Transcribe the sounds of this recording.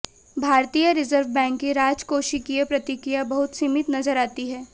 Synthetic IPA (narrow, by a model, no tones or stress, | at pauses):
bʱaːɾt̪ijaɾɪzəɾʋbɛ̃ːŋkːiɾaːd͡ʒkoːʃikiepɾɐt̪ikɾijabɐɦʊt̪simɪt̪nɐzəɾaːt̪iɦɛː